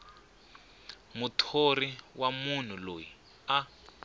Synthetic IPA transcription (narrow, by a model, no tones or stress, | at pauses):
mutʰoriwamun̤uloji | a